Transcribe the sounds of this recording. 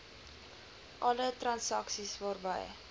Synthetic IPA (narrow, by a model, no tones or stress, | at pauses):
ʔɐlətrɐnsɐksisvɑːrbə̰j